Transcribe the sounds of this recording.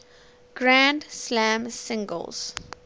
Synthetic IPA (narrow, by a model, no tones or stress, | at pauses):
ɡ̥ɹãnɖslæ̃msɪ̃ŋɡə̰lz̥